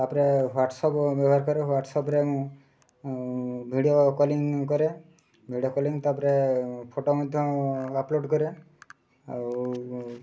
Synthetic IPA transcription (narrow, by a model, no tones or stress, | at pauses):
apɾeɦaʈsɔpbeaɾkɔɾeɦaʈsɔpɾẽ | bʱiɽijokɔliŋkɔɾe | bʱiɽiokɔliŋt̪apɾepʰoʈomɔd̪ʱjɔ̃aploɖkɔɾe | aw